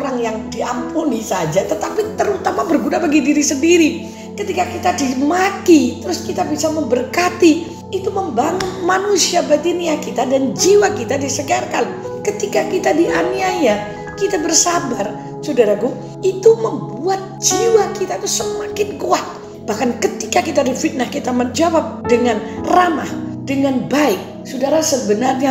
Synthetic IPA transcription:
ɾaŋjaŋdiampunisad͡ʒat̪ət̪apit̪əɾut̪amabərɡunabaɡidiɾisəndiɾi | kət̪ikakit̪adimat̪it̪əɾʊskit̪abisaməmbərkat̪i | it̪uməmbaŋʊnmanusiabat̪iniakit̪adand͡ʒiwakit̪adisəɡarkan | kət̪ikakit̪adiʔaniaja | kit̪abərsabar | sudaɾaɡu | it̪uməmbuat̪̚d͡ʒiwakit̪ait̪usəmakɪnkuat̪̚ | b̥ahkankət̪i̥kakit̪adifit̪̚nahkit̪aməd͡ʒawap̚dəŋanramahdəŋanbaɪk̚ | sudaɾasəbənarɲa

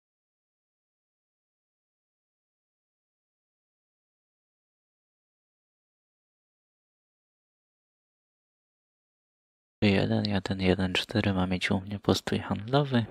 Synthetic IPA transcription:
jɛ̰d̪ɛnjɛd̪ɛnjɛd̪ɛnt͡ʂt̪ʰɛɾɘmamʲjet͡ɕumɲɛpʰɔst̪ʰujxand̪lɔvɘ

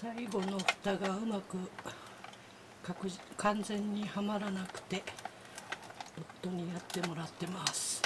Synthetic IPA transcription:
saiɡo̞no̞ɸɯ̥t̪aɡaɯ̟makɯ̟ | kakɯkʰãnd͡zẽ̞ɲ̟ːihamaɾanakɯ̟̥t̪e̞ | pot̪ːo̞ɲ̟ijat̪ːe̞mo̞ɾat̪ːe̞masɨ̥

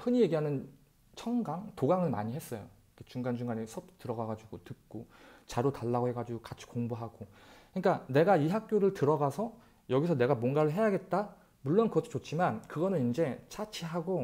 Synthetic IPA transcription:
hɯɲije̞ɡiɦanɯn | t͡ɕʰʌŋɡaŋtoɡaŋɯɭma̰ɲiɦe̞s͈ʌjo̰ | kʰet͡ɕuŋɡand͡ʑuŋɡaɲisʰʌp̚tɯɾʌɡaɡad͡ʑiɡotɯk̚k͈ot͡ɕaɾotaɭːaɡoɦe̞ɡad͡ʑiɡokat͡ɕʰi̥koŋbuɦaɡ̥o | kɯɲik͈ane̞ɡaiɦak̚k͈joɾɯɭtɯɾʌɡasʰʌ | jʌɡis̬ʰʌne̞ɡamwʌnɡaɾɯɭɦe̞jaɡet̚t͈a | muɭːʌnkɯɡʌtʰo̥t͡ɕot͡ɕ͈imankɯɡʌnɯnind͡ʑe̞t͡ɕʰat͡ɕʰiɦaɡo

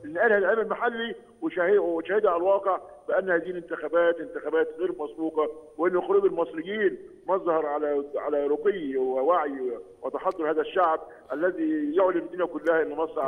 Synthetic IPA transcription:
ʔenːʔæːlhæːlʕeːmælmaħalːi | weʃæhewʃæːhed̪ʕalælwɑːqeʕbɪʔænːhæːziːhlent̪ɪxæbæːt̪ʔɪnt̪ɪxæbæːt̪ɣeːɾmæsbuːqɑweʔenːoxoɾuːbelmɑsˤɾɪjːiːn | mɑzˤhɑɾˤʕalæʕa̰læɾoqejːiwewaʕjwet̪ɑħɑd̪ˤːoɾˤhæːðæʃːaʕb̚ | ʔælːæzijoʕlimæd̪iːnækʊlːæhæʔenːmɑsˤː

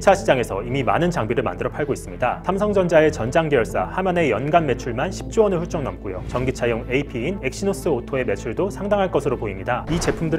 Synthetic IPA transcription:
t͡ɕʰaɕʰid͡ʑaŋe̞sʰʌimima̰nɯnt͡ɕaŋbiɾɯɭma̰ndɯɾʌpʰaɭɡois͈ɯmɲidasʰamsʰʌŋd͡ʑʌnd͡ʑae̞t͡ɕʌnd͡ʑaŋɡijʌɭs͈a̰hamane̞jʌnɡanme̞t͡ɕʰuɭmanɕʰi̥p̚t͡ɕ͈uwʌnɯɭɸuɭt͡ɕ͈ʌŋnʌmk͈ojo̰t͡ɕʌŋɡit͡ɕʰajoŋeipʰiːne̞k̚ɕ͈inos͈ɯotʰoe̞me̞t͡ɕʰuɭdosʰaŋdaŋɦaɭk͈ʌsʰɯɾopoimɲidait͡ɕe̞pʰumdɯɾ

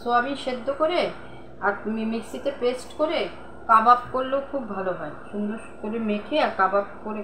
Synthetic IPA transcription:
soamiʃed̪ːokoɾe | aɾimiksit̪epesʈkoɾe | kabapkoɾlookʰubbʱaloɦɔeʃund̪ɾoʃkoɾemekʰeaɾkabap̚koɾe

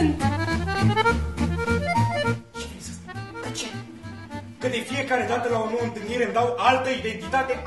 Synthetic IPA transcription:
n | t͡ʃeeset͡ʃe | kəd̪e̞fije̞kaɾe̞d̪at̪əlaonoɨnt̪ɨlniɾemd̪awʔalt̪əid̪e̞nt̪it̪at̪e̞

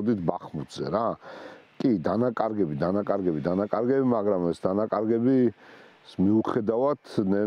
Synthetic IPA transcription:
d̪it̪ʰbaχmut̪zɛ̰ɾa | kʼid̪anakʼaɾɡɛbid̪anakʼaɾɡɛbid̪anakʼaɾɡɛbimaɡɾamɛsd̪anakʼaɾɡɛbi | smiuχɛd̪avat̪nɛ

